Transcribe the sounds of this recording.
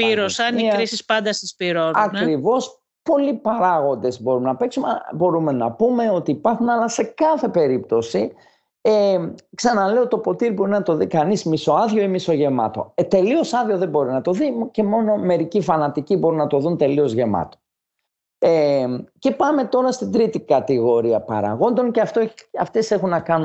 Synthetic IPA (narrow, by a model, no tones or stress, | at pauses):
piɾosɐniɾisispɐnd̪ɐst̪ispiɾonɐkɾivo̞s | po̞lipɐɾɐɣo̞nd̪e̞zbo̞ɾumenɐpe̞ksumbo̞ɾume̞nɐ̰pume̞o̞t̪iːpɐɾxunɐlɐse̞kɐθe̞pe̞ɾip̚t̪o̞si | eksɐnɐle̞ot̪o̞po̞t̪iɾbo̞ɾinɐt̪o̞ðikɐnizmiso̞ɐðʝo̞imiso̞ʝe̞mɐ̰t̪o̞̰et̪e̞lio̞sɐðʝo̞ðe̞bo̞ɾinɐt̪o̞ðice̞mo̞no̞me̞ɾicifɐnɐt̪icibo̞ɾunɐt̪o̞ðunt̪e̞lio̞zʝe̞mɐ̰t̪o̞̥ | ece̞pɐme̞t̪o̞ɾɐst̪ind̪ɾit̪ikɐt̪iɣo̞ɾiɐpɐ̰ɾɐ̰ɣo̞nd̪o̞ŋceɐft̪oɐft̪e̞se̞xunːɐkɐnu